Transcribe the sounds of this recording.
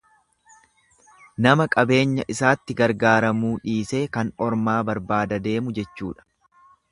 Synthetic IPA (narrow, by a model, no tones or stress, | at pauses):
nɐmɐkʼɐbe̞ːɲːɐ̰ʔɪsaːt̪ːɪɡɐɾɡaːɾɐmuːᶑiːse̞ːkɐnɔɾmaːbɐɾbaːd̪ɐd̪e̞ːmʊd͡ʒɛt͡ʃːṵːᶑɐ̥